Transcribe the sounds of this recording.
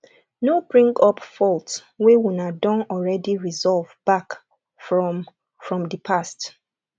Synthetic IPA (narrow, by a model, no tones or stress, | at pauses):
nobɹĩŋɡɔpfɔlts | wewunadɔ̃nɔlɹɛdiɹizɔlvb̥ak | f | fɹɔ̃mdəpʰast